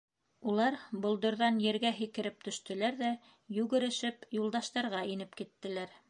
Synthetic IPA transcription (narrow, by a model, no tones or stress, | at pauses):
ulˠɑɾbŏlˠd̪ŏɾðɑnjɘ̆ɾɡæɦikɘ̆ɾɘp̚t̪ɵ̆ʃt̪ɵ̆læɾðæ | jʉɣɘ̆ɾɘ̆ʃɘpjulˠd̪ɑʃt̪ɑɾʁɑinɘpkit̪ːɘ̆læɾ